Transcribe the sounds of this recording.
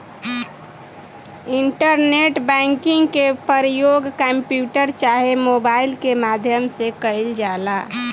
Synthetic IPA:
iɳʈəɾneʈbɛ̃ŋkiŋɡkepəɾjoɡkəmpjuʈəɾt͡ʃaɦemobailkemad̪ʱjəmsekəɪld͡ʒala

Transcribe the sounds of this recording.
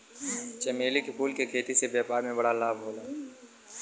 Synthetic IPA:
t͡ʃɐmeːlikepʰuːlkekʰeːt̪isebɛːpaːɾmẽbɐɽalaːbʱɦoːlaː

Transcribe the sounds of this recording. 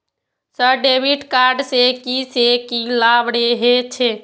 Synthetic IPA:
səɾɖebʱiʈkaɾɖsekisekilabɽeɦet͡ʃʰe

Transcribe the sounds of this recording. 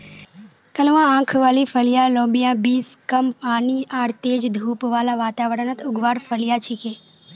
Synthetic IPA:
kəlʋããːkʰʋaːlifʰəlijalõːbijãbiːskəmpaːniaːɾt̪eːd͡ʒd̪ʱuːpʋaːlaʋaːt̪aːʋəɾənət̪ʰʊɡʋaːɾfəljat͡ʃʰike

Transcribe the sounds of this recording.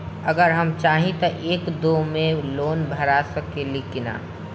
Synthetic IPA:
ɐɡəɾɦɐmt͡ʃaːɦĩt̪ɐʔeːkd̪oːmẽloːnbʱɐɾasəkelikɪna̰ː

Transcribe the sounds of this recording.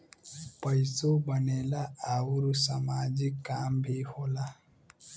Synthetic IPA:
pəjsobənelaawuɾusamad͡ʒikːambʱihola

